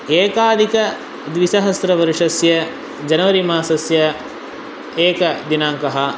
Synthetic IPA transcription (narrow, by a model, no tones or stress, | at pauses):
eːkaːd̪ʱikɐ | d̪ʋisɐɦɐsɾɐʋɐɾʂɐsjɐ | d͡ʒɐnɐʋɐɾimaːsɐsjɐ | eːkɐd̪inaːŋkɐɦɐ̆